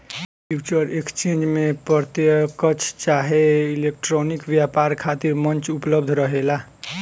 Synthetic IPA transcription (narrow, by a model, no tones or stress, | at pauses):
pʰjut͡ʃəɾekst͡ʃend͡ʒmepəɾt̪jəkət͡ʃʰt͡ʃaɦeilek̚ʈɾonikʋjapaɾkʰat̪iɾmʌnt͡ʃupləbd̪ʱɾʌɦela